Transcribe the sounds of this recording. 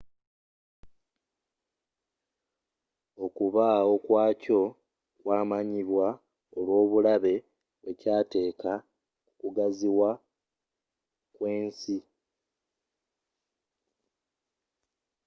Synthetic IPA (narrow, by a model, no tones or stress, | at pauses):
o̞kuβao̞kwaːco̞ | kwaːmaɲiβwa | olwo̞ːβulaβe̞ | e̞caːte̞ːka | kukuɡaziwa | kwe̞ːnsi